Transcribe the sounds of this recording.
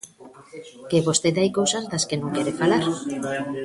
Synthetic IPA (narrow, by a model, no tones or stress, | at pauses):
keβost̪eðajkowsazd̪askenõŋkeɾefalaɾ